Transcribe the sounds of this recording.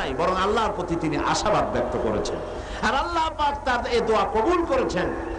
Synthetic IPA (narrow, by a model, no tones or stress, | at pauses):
jbɔɾoŋalːaɾpɾot̪it̪iniʔa̰ʃabad̪̚bɛk̚t̪ʰokoɾḛt͡ɕʰḛn | aɾalːaɦpakt̪aɾed̪oakobulkoɾet͡ɕʰen